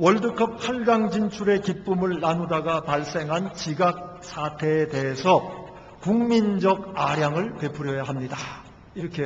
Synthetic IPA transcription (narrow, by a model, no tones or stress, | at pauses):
wʌɭdɯkʰʌp̚pʰaɭɡaŋd͡ʑint͡ɕʰuɾe̞kip͈umɯɭːanudaɡapaɭs͈e̞ŋɦant͡ɕiɡak̚s͈ʰatʰe̞ːde̞ɦesʰʌ | kuŋmind͡ʑʌɡaɾjaŋɯɭpe̞pʰuɾjʌjaɦamɲida | iɾʌkʰe